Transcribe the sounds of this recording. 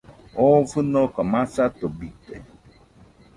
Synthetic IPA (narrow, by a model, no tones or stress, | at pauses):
ɔfɨnɔ̃kamãsat̪obit̪ḛ